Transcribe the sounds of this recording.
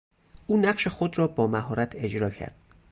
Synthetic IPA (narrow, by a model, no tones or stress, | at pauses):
ʔuːnæɢʃe̞xod̪ɾɒːbɒːmæɦɒːɾæt̪ʰe̞d͡ʒɾɒːcʰæ̰ɾd̪̥